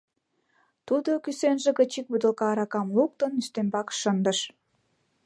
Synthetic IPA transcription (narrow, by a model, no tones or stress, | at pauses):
t̪ud̪okysenʒĕɣət͡ɕik̚bud̪ə̆lkɑːɾɑkɑmluk̚t̪ənːyst̪embɑkʃənd̪əʃ